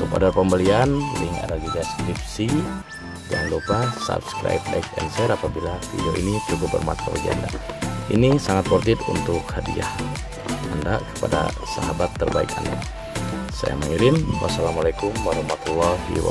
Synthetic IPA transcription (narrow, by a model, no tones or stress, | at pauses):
lupadapəmbəlianliŋa̰daɡid͡ʒaskɾip̚si | d͡ʒaŋlupasa̰pskɾa̰jp̚daipɛ̰nsɛɾapabilafḭdioʔḭnit͡ʃukup̚bərmat̪ʰawad͡ʒa̰ndainisaŋat̪̚pɔrt̪ɪt̪unt̪ʊk̚hadiah | anda̰ʔkə̥pada̰ | saɦabat̪ːərbaika̰nda | saja̰maŋiɾɪnwa̰salamalakumwaɾɑhmat̪ulːɔhḭwa̰